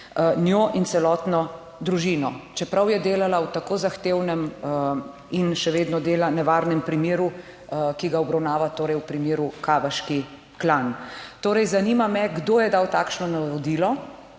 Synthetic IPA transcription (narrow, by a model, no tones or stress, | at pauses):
njoʔinsɛlɔːt̪nɔ | d̪ɾuʒinɔt͡ʃɛpɾawjɛd̪eːlalawt̪akoːzaxt̪eːwnɛm | inʃɛʋeːd̪nɔd̪eːlanɛʋaːɾnɛmpɾimeːɾu | kiɡaɔbɾɐwnaːʋat̪oːɾɛjwpɾimjeːɾukaːʋaʃki | klant̪oːɾɛjzanimamɛɡd̪oːjɛd̪aːwt̪aːkʃnɔnaɔd̪iːlɔ